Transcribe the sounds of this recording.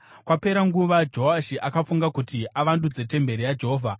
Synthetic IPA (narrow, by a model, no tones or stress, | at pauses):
kwape̞ɾaŋɡuʋad͡ʒoɦaʃiʔakafuŋɡakutiʔaʋandud͡ze̞te̞mbe̞ɾijad͡ʒeɦoːvʱa